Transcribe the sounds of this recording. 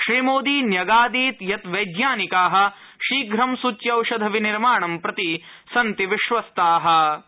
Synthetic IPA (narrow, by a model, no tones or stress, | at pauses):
ʃɾiːmoːd̪iːnjɐɡaːd̪iːt̪jɐt̪ʋɐjd̪jaːnikaːɦɐ̆ | ʃiːɡɾɐmsut͡ʃjɐwʃɐd̪ʱɐʋiniɾmaːɳɐmpɾɐt̪i | sɐnt̪iʋiʃʋɐst̪aːɦɐ̆